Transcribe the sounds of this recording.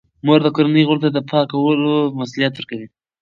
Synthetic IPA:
moɾd̪əkoɾanəjɣʊlt̪ad̪əpʰɑkawəlomasulijat̪wəɾkawi

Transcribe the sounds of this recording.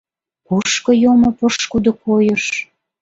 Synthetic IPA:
puʃkɤ̆jomopəʃkud̪okʰojəʃ

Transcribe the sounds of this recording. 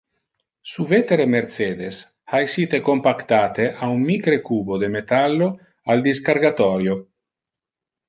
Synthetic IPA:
suvet̪eɾemeɾt̪seːd̪es | haesiːt̪ekompakt̪aːt̪eʔaummikɾekuːbod̪emet̪alːo | ald̪iskaɾɡat̪ɔɾjo

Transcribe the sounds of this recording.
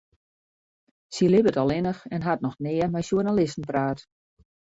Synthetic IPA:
silɪbətɔlˠɪnəxɛnɦatnɔxnɪəmɛjʃurnalɪstn̩praːt

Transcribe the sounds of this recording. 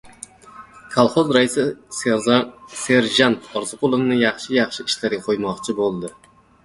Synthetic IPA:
kʰalˠχozɾaɪsɪese̞ɾʒant̪ʰɒɾzɨqʰʊlˠɪvnɪjɑχʃɪjɑχʃɪɪʃlaɾɡʲaqʰojmɒqt͡ʃʰɪbolˠd̪ɪ

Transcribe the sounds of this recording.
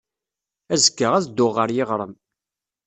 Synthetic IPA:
æzəkːəʁæzd̪ːʊʁːəɾjɪʁɾˤəm

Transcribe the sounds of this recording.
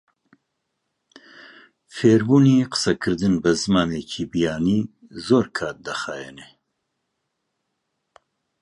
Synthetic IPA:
feːɾbuːniːqə̥sɐkʰɨɾd̪ɨnbɛzɨmaːneːcʰiːbijaːniː | zoːɾkʰaːt̪̚d̪ɐxaːjɛne

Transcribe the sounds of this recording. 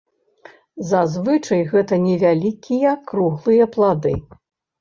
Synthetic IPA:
zazvɨt͡ʂɐjɣɛt̪ɐnʲɛvʲalʲikʲijɐkɾuɣlˠɨjɐplˠad̪ɨ

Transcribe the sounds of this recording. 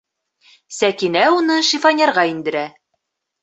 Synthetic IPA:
sækinæunɤʃifɑnʲeɾʁɑind̪ɘ̆ɾæ

